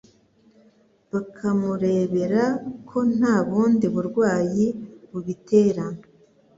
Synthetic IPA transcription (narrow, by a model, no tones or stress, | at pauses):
βakʰamuɾe̞ːβe̞ɾakʰo̞n̥haːβuːndiβuɾɡwaːjiβuβitʰe̞ːɾa